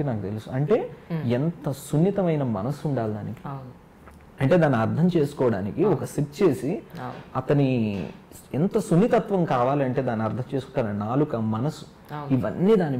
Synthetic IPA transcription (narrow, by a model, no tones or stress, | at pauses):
inaːkut̪e̞lusuɐɳʈe̞ːɛnt̪ɐsunːit̪ɐmɐjnɐmɐ̰nɐsuɳɖaːld̪aːnikin | ɐɳʈe̞ːd̪aːnːiɐɾd̪ʰʱɐmt͡ʃeːsu̥kɔːʋɐɽaːnikiɔkɐsiʈ̚t͡ʃe̞ːsiɐt̪ɐni | ɛnt̪ɐsunːit̪ɐt̪ʋɐmkaːʋaːliɐɳʈe̞ːd̪aːnːiɐɾt̪ʰɐmt͡ʃe̞ːsukuʈːaːnɐnaːlukɐmɐnɐsu̥ | iʋɐnːiːd̪aːni